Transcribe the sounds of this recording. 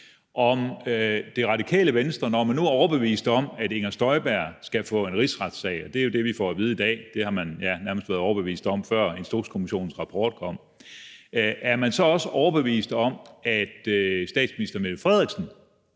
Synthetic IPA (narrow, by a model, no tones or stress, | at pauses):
ʔɒ̽md̥e̝ʁɑ̈d̥ikʰɛ̰ːləʋenəsd̥ʁɐnɒmænːuæɐɒʊɐb̥e̝ʋḭːsd̥ɒ̽mæde̝ŋɐsd̥ɒ̽ɪb̥æɐ̰sɡ̥æfɔ̰̽ːe̝nʁisʁɑ̈d̥sɛ̰ɪɒ̽d̥e̝æjo̝d̥e̝ʋifɒ̰ːæʋiːð̞ˠid̥ɛ̰ːd̥e̝hɑ̈mænjænæɐməsd̥ʋæːɐð̩ˠɒʊɐb̥e̝ʋḭːsd̥ɒ̽mfɶɐ̰e̝nsd̥o̝̰ːskʰo̝miɕo̝̰ːn̩sʁɑ̈pʰɒ̰ːd̥̚kʰɒ̽m̰ | ʔæɐmænsɒ̽ɒ̽səʔɒʊɐb̥e̝ʋḭːsd̥ɒ̽mæd̥sd̥ɛ̰ːd̥sminisd̥ɐmelfʁɛðˠʁiɡ̥sən̩